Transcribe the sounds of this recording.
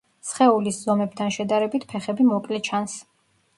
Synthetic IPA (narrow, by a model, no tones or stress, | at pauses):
sχɛuliszɔmɛb̚t̪ʰanʃɛd̪aɾɛbit̪ʰpʰɛχɛbimɔkʼlɛt͡ʃʰans